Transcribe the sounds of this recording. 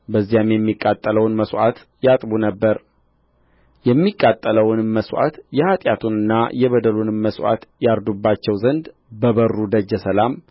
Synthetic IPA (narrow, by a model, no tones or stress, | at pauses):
bəzːijamjɛmːikʼːat̪ʼːələwnməswʔat̪ | jat̪ʼbunəbːəɾ | jɛmːikʼːat̪ʼːələwnməswʔa̰t̪jɛhat̪ʼjat̪ʰunɨnːajɛβəd̪əlunɨməswʔa̰t̪jaɾd̪ubːat͡ʃːɛwzənd̪ | bəβərːud̪əd͡ʒːəsəlam